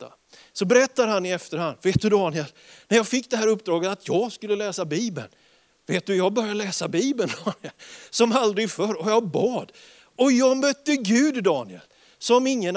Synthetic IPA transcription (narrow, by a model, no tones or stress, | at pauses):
a̰ | sɔbɛɾɛt̪ːad̪hanːɪɛft̪əɾhand̪veːt̪̚d̪ɵd̪ɑːnɪɛl | næɾjɑːɡfɪkːd̪ɛɦæːɾɵpːd̪ɾɑːɡət̪at̪ʰjɑːɡskɵlːəlɛːsabiːbə̰n | veːt̪̚d̪ɵjɑːɡ̚bœɾjaəlɛːsabiːbənd̪ɑːnɪəlsɔmald̪ɾɪɡfœɾɔjɑbɑːd̪ | ɔjɑmœt̪ːəɡʉ̟ːd̪ːɑːnɪə̰l | sɔmɪŋːən